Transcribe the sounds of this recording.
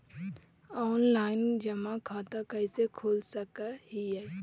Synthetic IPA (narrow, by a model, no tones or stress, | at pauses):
ɔːnlaːɪnd͡ʒəmakʰaːt̪akəɪsekʰoːlsəkahija